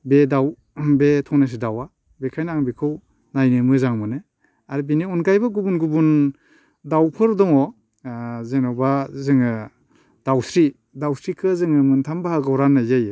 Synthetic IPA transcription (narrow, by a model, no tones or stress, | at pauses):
bedaw | betʰɔŋnas̬idawa | bekʰajnaŋbikʰɯw | najnɯmɯzaŋmɯnɯ | aɾibiniunɡajbaɡubunɡubun | dawpʰɯɾdɔŋɔ | zenawbazɯŋɯ | d̥awsɾi | dawsɾikʰɯzɯŋɯmɯntʰambahaɡawɾanːajzaj